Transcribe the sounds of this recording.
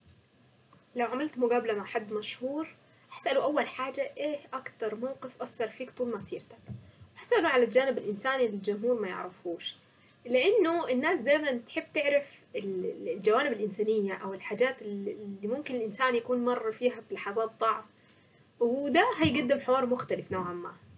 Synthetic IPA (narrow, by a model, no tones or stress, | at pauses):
lawʕamalt̪mʊɡaːblamaʕħad̪ːmaʃhuːɾ | ħḁsʔaluʔawːalħaːd͡ʒaʔeːhʔakt̪ɑɾˤmawqɪfʔɑsːɑɾˤfiːkt̪ˤuːlmɑsˤiːɾt̪ḁkwɪħasʔaluʕalald͡ʒaːnɪbɪlʔɪnsaːnilɪld͡ʒʊmɦuːɾmajɪ̰ʕɾɪfuːʃ | lɪʔɪnːʊʔɪnːaːsd̪ajmant̪ħɪbːt̪ɪʕɾɪfɪlld͡ʒawaːnɪbɪlʔɪnsaːnɪjːaʔawɪlħaːd͡ʒaːt̪lːiːmʊmkɪnɪlʔɪnsaːnjakuːnmɑrˤːfiːɦablɑħɑzˤɑːt̪̚ˤːɑʕf | wɪd̪aɦajɡad̪ːɪmħɪwɑːɾˤmʊxt̪alɪfnoːʕamːa̰ː